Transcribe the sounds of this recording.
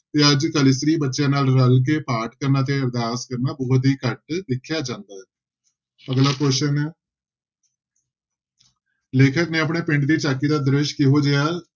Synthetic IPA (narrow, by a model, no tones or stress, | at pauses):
t̪eːəd͡ʒkəlɪsɾiːbətːʃjãːnaːlɾəlk̬eːpaːʈkəɾnaːt̪eːəɾd̪aːskəɾnaːbɔːt̪iːkəʈ̚d̪ɪkʰːjaːd͡ʒãːnd̪aːɦɛː | pəɡlaːkoːʃənɛː | leːkʰəknẽːəp̬neːpɪ̃ɳɖd̪iːt͡ʃaːkːiːd̪aːd̪ɾɪʃkɪɦoːd͡ʒeːaː